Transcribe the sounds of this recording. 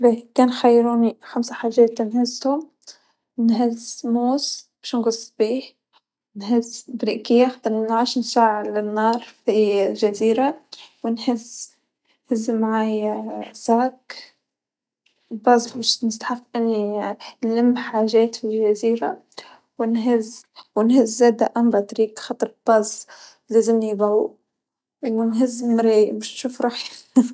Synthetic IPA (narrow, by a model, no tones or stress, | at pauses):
liːkaːnxajːɾuːnixamsaħaːʒeːt̪nhɪzːhʊ | nɦɪzmuːsb̥iːʃnɡʊsˤːb̥iːh | nhɪzb̪ɾiːkɪjːaxd̪ɑɾɪnʕaʃnsaːʕɪd̪lɪnːɑːɾˤfiʒaziːɾawɪnhɪz | hɪzːmaʕaːjzaːk | bɑzˤmɪʃnɪst̪ħafʔɪnːinlɪmːħaːʒeːt̪fiʒaziːɾa̰ | wɪnɦɪzwɪnhɪzːeːd̪aʔamɾˤɑt̪ɾiːkxɑt̪ˤɾˤb̥ɑzˤ | laːzɪmnibau | wɪnɦɪzːmɾimɪʃnʃuːfɾˤuːħ